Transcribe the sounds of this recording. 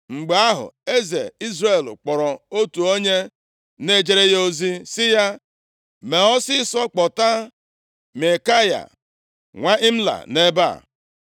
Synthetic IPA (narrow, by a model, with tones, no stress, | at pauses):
ŋ͡m̩˨ɡ͡be˨a˦ɦʊ̰˨e˦zḛ˨i˦zre˦˨lk͡pɔ˨ɾɔ˨o˦tu˨o˦ɲe˦ | ne˦d͡ʒe˨ɾe˦jo˦zi˦sɪ˦ja˦ | me˨ɔ˦sɪ˦sɔ˦k͡pɔ˨ta˦ | me˨ka˦ja̰˨ | ŋʷa˦ʔɪ˦m̩˦la̰˨ne˦ba̰˦˨